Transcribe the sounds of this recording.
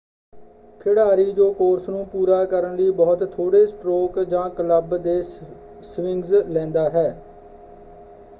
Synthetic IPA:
kʰɪɽaːɾiːd͡ʒoːkoːɾsnũːpuːɾaːkəɾənliːbɔːt̪ʰːoːɽeːsʈɾoːkd͡ʒãːkələbd̪eː | sʋɪŋɡzlɛ̃ːnd̪aːɦɛː

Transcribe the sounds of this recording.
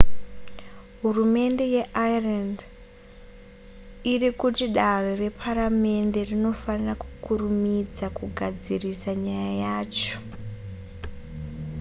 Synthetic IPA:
ɦurume̞nde̞jeʔairand | irikutiɗarere̞pʰaɾame̞nde̞rino̞faniraku̥kurumid͡zakuɡʱad͡zirisaɲajajaːt͡ʃo̥

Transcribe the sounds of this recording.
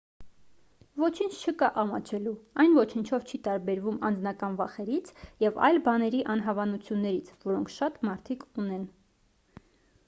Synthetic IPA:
vɔt͡ʃʰint͡ʃʰt͡ʃʰəkɑʔɑmɑt͡ʃʰɛluɑjnvɔt͡ʃʰənt͡ʃʰɔvt͡ʃʰit̪ɑɾbɛɾvumɑ̰nd͡znɑkɑnvɑχɛɾit͡sʰjɛvɑ̰jlbɑnɛɾiʔɑn̪ɦɑvɑnut͡sʰjunːɛɾit͡sʰvɔɾɔŋkʰʃɑt̪mɑɾt̪ʰikunɛn

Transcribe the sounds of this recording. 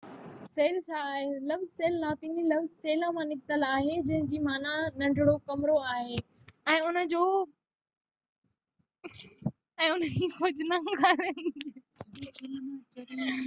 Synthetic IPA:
seːlt͡ɕʰaːɦelɐfzseːlnaːt̪ililɐʋzseːlə̃mãnɪkt̪əlaːɦed͡ʑɐ̃ɦɪ̃d͡ʑiːmaːnanɐ̃ɳɖʱɪɽokɐmɪɾoaːɦeː | ɛ̃ːʊnə̆d͡ʑoː | ɛ̃ːʊnəd͡ʑiːxʊd͡ʑnãɡʱaɾə | lãt͡ɕɐɾi

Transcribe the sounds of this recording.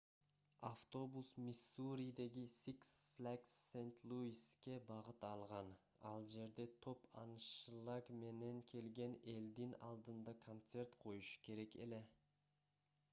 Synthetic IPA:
aft̪o̞busmʲisuɾʲid̪e̞ɡisiksflʲaksːent̪lˠuiske̞bɑʁɯt̪ɑlˠʁɑn | ɑ̰lˠd͡ʒe̞ɾd̪e̞t̪ʰo̞pɑ̰nʃlˠɑɡme̞ne̞ŋkʰe̞lɡe̞ne̞ld̪inɑlˠd̪ɯnd̪ɑkʰont̪se̞rt̪qʰo̞juʃu̥kʰe̞ɾe̞ke̞̰le̞

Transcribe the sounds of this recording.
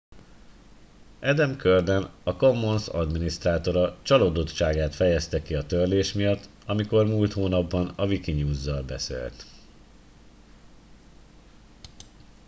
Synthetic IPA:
ɛd̪ɛmkørd̪ɛnɒko̞mːo̞nsɒ̰d̪minist̪raːt̪o̞ɾɒt͡ʃɒloːd̪ot̪ʃaːɡaːt̪fɛjɛst̪ɛkiɒt̪ørleːʃmijɒt̪ː | ɒmiko̞rmuːlt̪hoːnɒbːɒnɒvikiɲuːzːɒlbɛ̰sḛːlt̪

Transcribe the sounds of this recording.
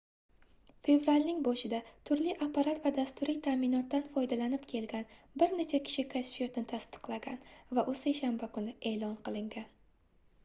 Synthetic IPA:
fe̞vɾalʲnɪŋbɒʃɪd̪at̪ʰʊɾlɪʔapːaɾat̪vad̪ast̪ʊɾijt̪ʰamɪnɒt̪ːanfɒjd̪alanɪpkʲʰe̞lɡʲan | bɪɾnet͡ʃʰakʲʰɪ̥ʃɪkʰasfet̪nɪt̪ʰast̪ʰɨ̥qlˠaɡʲanvaʔʊsejʃanbakʰʊnɪe̞ːlˠɒnqɨlˠɪŋɡʲan

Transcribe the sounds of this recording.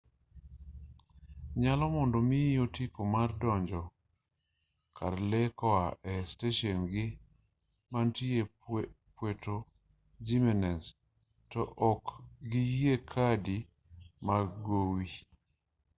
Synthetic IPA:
ɲalɔmɔndomiotikomardɔɲd͡ʒɔ | kʰa̰ɾlɛkɔaʔɛsteʃɔnɡɪ | mantie | pweto | d͡ʒimɛnɛns | tɔʔɔkɡijiekʰadi | maɡowi

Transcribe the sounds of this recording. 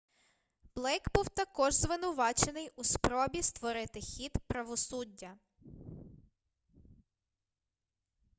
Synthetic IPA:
b̥lˠɛjɡbuwt̪ɐkɔʒzʋɪnʊʋɑt͡ʃenɪjuspɾɔbʲist̪ʋɔɾɪt̪ɪxʲid̪pɾɐʋɔsudʲːɐ

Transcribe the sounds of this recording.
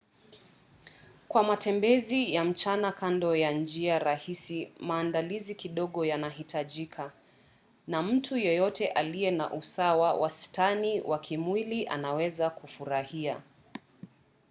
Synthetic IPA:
kwamatʰɛmbɛzijam̩t͡ʃanakandɔjand͡ʒiaɾahisimaːndalizikiɗɔɠɔjanahitaʄikʰa | nam̩tʰujɔjɔtɛʔalijɛna̰ʔusawawʔa̰staniwakʰimwiliʔa̰nawɛzakufuɾahia

